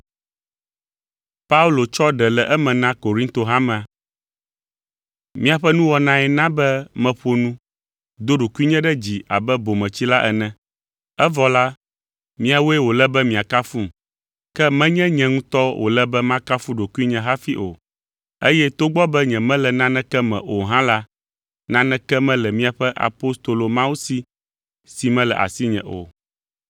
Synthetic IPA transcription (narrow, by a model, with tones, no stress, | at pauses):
pa˦u˦lo˨t͡ʃɔ˦ɖɛ˨lɛ˨ʔɛ˦mɛ̃˨nã˦ko˨ɾi˦nt̪o˨ɦa˦mɛ̃˨a˨ | mĩ˦a˨ɸɛ˦nũ˦wɔ˨nã˦ɛ˨nã˦bɛ˦mɛ̃˨ɸo˦nũ˦ | d̪o˦ɖo˨ku˦i˦ɲɛ̃˦ɖɛ˦d͡ʑi˨a̰˨bɛ˦bo˨mɛ̃˨t͡ɕi˦la˦ʔɛ̰˨nɛ̃˨ | ɛ˦vɔ˨la˦ | mĩ˦a˨wo˦ɛ˦wo˨lɛ˦bɛ˦mĩ˨a˨ka˦fu˦m˨ | kɛ˦mɛ̃˦ɲɛ̃˦ɲɛ̃˨ŋũ˦t̪ɔ˦wʔo̰˨lɛ˦bɛ˦mã˦ka˦fu˦ɖo˨ku˦i˦ɲɛ̃˦ɦa˦fi˦ʔo̰˨ | e˦jɛ˦t̪o˦ɡ͡bɔ˦bɛ˦ɲɛ̃˨mɛ̃˦lɛ˨nã˦nɛ̃˦kɛ˦mɛ̰̃˨ʔo˨ɦã˦la˦ | nã˦nɛ̃˦kɛ˦mɛ̃˦lɛ˨mĩ˦a˨ɸɛ˦ʔa̰˨po˦st̪o˨lo˨mã˦wu˦si˦ | si˨mɛ̃˦lɛ˨ʔa̰˨si˦ɲɛ̰̃˨ʔo̰˨